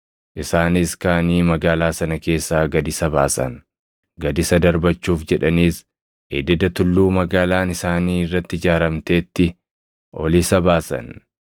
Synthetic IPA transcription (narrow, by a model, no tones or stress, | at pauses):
ʔɪsaːnɪskaːniːmɐɡaːlaːsɐnɐke̞ːsːaːɡɐd̪ɪsɐbaːsɐ̰n | ɡɐd̪ɪsɐd̪ɐɾbɐt͡ʃːuːfd͡ʒɛᶑɐniːs | ʔḛd̪ɪd̪ɐt̪ʊlːuːmɐɡaːlaːnɪsaːniːɪrːɐt̪ːɪɪd͡ʒaːɾɐmt̪e̞ːt̪ːɪ | ʔɔlisɐbaːsɐ̰n